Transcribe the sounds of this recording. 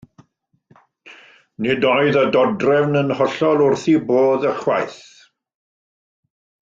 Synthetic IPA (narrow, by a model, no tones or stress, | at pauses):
nɪdɔɨðədɔdrɛvnənhɔɬɔlˠʊrθiboːðəχwajθ